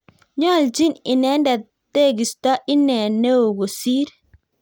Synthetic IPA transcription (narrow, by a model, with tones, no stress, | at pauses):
ɲɔ˦˨ld͡ʒi˦nɪ˨nɛ˨˦nda˨ | t̪e˦˨ɡi˨sta˦ʔi˦nɛ˨ne˦o˨ɡo˨si˦ɾ